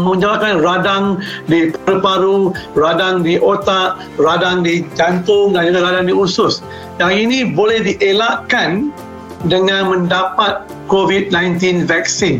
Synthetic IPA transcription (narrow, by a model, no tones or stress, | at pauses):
mə̃ɲd͡ʒalakanradaŋdipaɾupaɾuradaŋdiʔot̪aʔ̚ | radaŋdid͡ʒant̪ʊŋdanudaɾadaŋdiusʊs | daŋinĩbolɛhdiʔelaʔkan | dəŋãnmə̃ndapat̪̚ | kovid̚nãjnt̪̬invɛk̚sin